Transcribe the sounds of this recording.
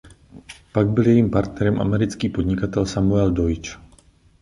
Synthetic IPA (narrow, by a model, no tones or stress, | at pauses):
paɡ̚biljɛjiːmpaɾt̪nɛɾɔmʔa̰mɛɾit͡skiːpɔd̪ɲikat̪ɛlsamuɛld̪ɔit͡ʃ